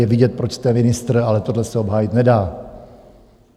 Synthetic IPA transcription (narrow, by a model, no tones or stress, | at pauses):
jɛvɪɟɛt̪̚pɾot͡ʃst̪ɛmɪnɪst̪ɾ̩alɛt̪o̞dlɛsɛo̞bɦaːjɪt̪nɛdaː